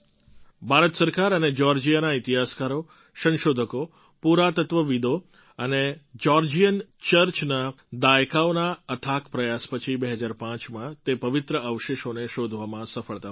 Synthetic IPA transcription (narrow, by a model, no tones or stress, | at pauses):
bʱaɾət̪səɾkaɾəned͡ʒɔɾd͡ʒijanait̪iɦaskaɾo | sə̃nʃod̪ʱəko | puɾat̪ət̪ʋəʋid̪o | əned͡ʒɔɾd͡ʒijənt͡ʃəɾt͡ʃna | d̪ajkaonaət̪ʰakpɾəjaspət͡ʃʰibeɦəd͡ʒaɾpãt͡ʃmãt̪epəʋɪt̪ɾəəʋəʃeʃoneʃod̪ʱʋamãsəfəɭt̪a